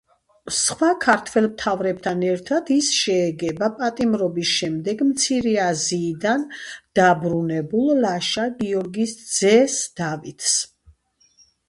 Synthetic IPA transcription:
sχwakʰaɾt̪ʰwɛlˠmt̪ʰavɾɛb̚t̪ʰanɛɾt̪ʰad̪isʃɛːɡɛbapʼat̪ʼimɾɔbisʃɛmd̪ɛɡmt̪sʰiɾɛaziːd̪and̪̥abɾunɛbulˠlaʃaɡiɔɾɡisd̪z̥ɛsd̪̥avit̪ʰs

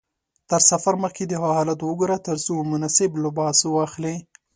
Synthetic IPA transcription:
t̪əɾsafaɾməxked̪əhahɑlat̪wəɡuɾat̪əɾzumʊnasɪblʊbɑswɑxle

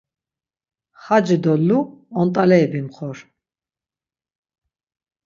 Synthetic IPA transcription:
χad͡ʒid̪ɔlːuɔnt̪ʼalɛːbimχɔɾ

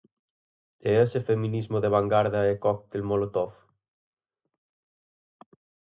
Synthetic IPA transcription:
eesefemĩnizmoðeβaŋɡaɾðaekɔk̚t̪elmolot̪ɔf

